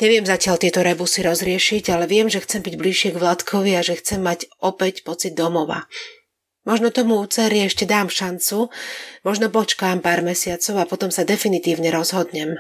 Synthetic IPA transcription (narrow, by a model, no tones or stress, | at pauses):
ɲɛʋɪɛmzacɪalt̪ɪɛt̪ɔɾɛbusiɾɔzɾɪɛʃiɟalɛʋɪɛmʒɛxt͡sɛmbiɟbliʃɪɛɡʋlat̪kʰɔʋiaʒɛxt͡sɛmːacɔpɛcpɔt͡sid̪̚ːɔmɔʋa̰ | mɔʒnɔt̪ɔmuuːt͡sɛɾiɛʃcɛd̪aːmʃant͡sumɔʒnɔpɔt͡ʃkaːmpaːɾmɛsɪat͡sɔʊapɔt̪ɔmsad̪ɛfinit̪iːʊɲɛɾɔzɦɔd̪ɲɛm